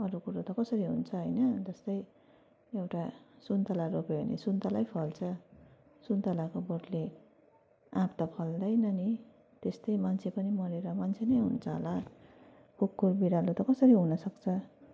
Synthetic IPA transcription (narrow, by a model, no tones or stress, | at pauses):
ʌɾukuɾot̪ʌkʌsʌɾiɦṵnt͡sʰʌɦʌjnʌd͡zʌst̪ʌj | ewʈasunt̪ʌlaɾopeɦo̰nḛsunt̪alajpʰʌlt͡sʰʌ | sunt̪alakoboʈle | ãpt̪ʌpʰʌld̪ʌjnʌni | t̪est̪ʌjmant͡sʰepʌnimʌɾeɾʌmant͡sʰenʌjɦṵnt͡sʰʌɦo̰la | kukːurbiɾalot̪ʌkʌsʌɾiɦunʌsʌkt͡sʰʌ